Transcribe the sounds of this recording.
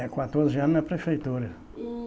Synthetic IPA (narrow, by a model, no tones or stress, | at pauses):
ɛkwat̪oɾzɪɐ̃nnɐpɾefejt̪uɾɐ